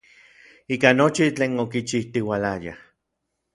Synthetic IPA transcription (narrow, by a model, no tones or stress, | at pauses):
iːkanot͡ʃit͡ɬeːnokit͡ʃiht̪iwalaja̰